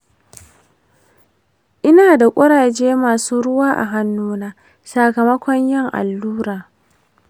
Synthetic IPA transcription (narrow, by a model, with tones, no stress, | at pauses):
ʔɪ˦naː˨da˨kʷʼɐ˦ɽaː˨d͡ʒeː˦maː˨suː˦ɽʊ˦waː˦ʔa̰˨ɦa˦nːuː˦naː˦ | saː˨kɐ˨mɐ˦kʷɔ˦ɲjɪ˦˨ŋʔa̰˨lːuː˦ɽaː˨